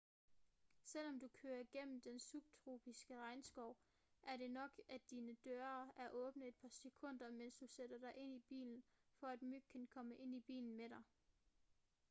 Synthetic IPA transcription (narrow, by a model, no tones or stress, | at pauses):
sel̰ɒ̽md̥ukʰøːɐɡ̥en̰m̩d̥ensub̥̚t͡sʰʁo̝ːb̥isɡ̥əʁɑ̈ɪnsɡ̥ɒʊ | ʔæɐɾe̝nɒ̽ɡ̥ʔæd̥iːnəd̥øːɐæɐʔɔ̽ːb̥nəðe̝d̥̚pʰɑ̈se̝kʰɔ̽n̰d̥ɐmen̰sd̥used̥ɐd̥ɑ̈ɪʔe̝n̰ib̥ḭːln̩fɒ̽æd̥myɡ̥̚kʰːænkʰɒ̽məʔe̝n̰ib̥ḭːln̩meɾɑ̈ɪ